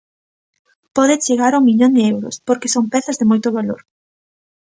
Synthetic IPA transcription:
pɔðɪt͡ʃeɣaɾuŋmiʎoŋd̪ɪɛwɾʊ̰spoɾkesoŋpɛθɐzðɪmojt̪ʊβalo̰ɾ

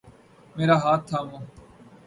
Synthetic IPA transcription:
meːɾaːɦaːt̪ʰːaːmõː

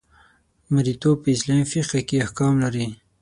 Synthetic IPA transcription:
maɾit̪opəɪslɑmfiqakeahkɑmlaɾi

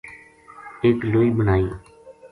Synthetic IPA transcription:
eːkloːiːbənaːĩː

